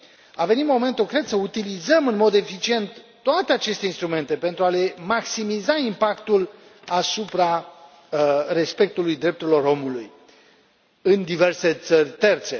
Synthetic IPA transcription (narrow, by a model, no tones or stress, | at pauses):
ave̞nit̪mo̞me̞nt̪ukɾe̞d̪səut̪ilizəmɨnmo̞d̪e̞fit͡ʃie̞nt̪ːoat̪e̞at͡ʃe̞st̪e̞inst̪ɾume̞nt̪e̞pe̞nt̪ɾuale̞maksimizaimpakt̪ul | asupɾa | re̞spe̞k̚t̪ulujd̪ɾe̞p̚t̪uɾʲilo̞ɾo̞muluj | ɨnd̪ive̞rse̞t̪sərʲt̪e̞rt̪se̞